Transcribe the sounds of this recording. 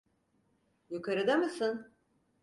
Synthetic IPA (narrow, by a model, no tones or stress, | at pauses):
jukʰaɾɯd̪amɯsɯn